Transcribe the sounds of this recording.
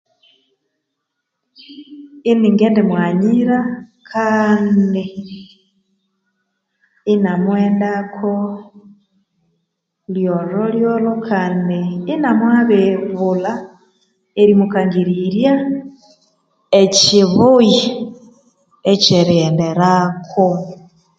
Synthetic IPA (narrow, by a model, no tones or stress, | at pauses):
iniŋɡeːndemwaɲiɾakʰaːndi | namweːndakʰo | ljololjolokʰaːndiːnamwaβeβula | eɾimukaŋɡiɾiɾja | eciβuji | et͡ʃeɾendeɾakʰo